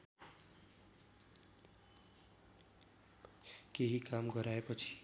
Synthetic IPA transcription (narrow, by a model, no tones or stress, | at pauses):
keɦikamɡʌɾaepʌt͡sʰi̥